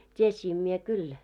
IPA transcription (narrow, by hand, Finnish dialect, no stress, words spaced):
tʲiesiːm mie kyl